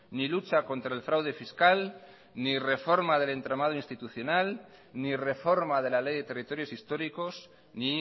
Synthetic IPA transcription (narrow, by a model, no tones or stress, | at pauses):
nilut͡ʃako̞nt̪ɾae̞lfɾawð̞e̞fiskal | nirefo̞ɾmaðe̞le̞nt̪ɾamað̞oinst̪it̪uθjo̞nal | nire̞fo̞ɾmaðe̞lale̞jðe̞t̪e̞rit̪o̞ɾjo̞sist̪o̞ɾiko̞s | ni